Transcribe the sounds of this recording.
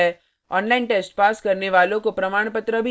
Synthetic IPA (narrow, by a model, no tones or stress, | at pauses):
ɛ | ɔ̰ːnlaːɪnʈeːsʈpaːskɐɾneʋaːlõkopɾɐmaːɽ̃pət̪ɾəbʱi